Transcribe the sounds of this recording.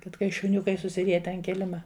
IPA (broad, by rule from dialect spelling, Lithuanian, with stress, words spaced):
ˈkɐt kɐɪ ʃʊˈnʲʊkɐɪ sʊsʲɪˈrʲiɛtʲɛ ɐn ˈkʲɪlʲɪmɐ